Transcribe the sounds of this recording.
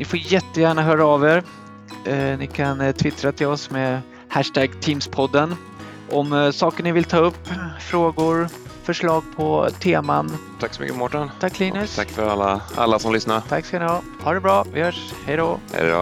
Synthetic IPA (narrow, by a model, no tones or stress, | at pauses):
nɪfoːɾjɛt̪ːəjæːɳaɦœːɾaːveːɾ | nɪkʰant̪ʰvɪt̪ɾat̪ʰɪlɔsmeː | hæʂʈæɡt̪ʰiːmspʰɔd̪ːən | ʔɔmsɑːkəɳɪvɪlt̪ʰɑːɵpːfɾoːɡʊɾfœʂɭɑːɡ̚pʰɔt̪ʰeːma̰nt̪ʰaksɔmʏ̰kːəmɔʈːant̪ʰakːliːnɵsʰakːfœɾalːa̰a̰lːasɔmlʏsnaɾt̪ʰakːskanɪhɑː | hɑːɖɛbɾɑːvɪhœːʂhɛjd̪ohɛ̰do̰